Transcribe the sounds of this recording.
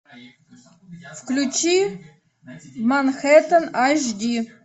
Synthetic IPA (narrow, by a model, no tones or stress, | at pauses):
fklʲut͡ɕi | mɑnxet̪ənɑʒd̪ʲi